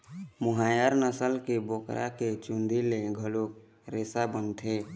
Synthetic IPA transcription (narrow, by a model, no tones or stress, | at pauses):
mʊɦajəɾnəsəlkebokɾʔa̰ket͡ʃund̪ileɡʱəlok | ɾesabənt̪ʰeː